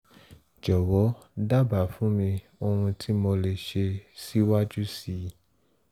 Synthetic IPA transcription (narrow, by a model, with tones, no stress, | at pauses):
d͡ʒɔ˨wɔ˨˦ | da˦ba˨fũ˨˦mĩ˧ | o˧ɾ̃ũ˧tʰi˦mo˧le˨ʃe˧si˦wa˦d͡ʒu˦si˦˨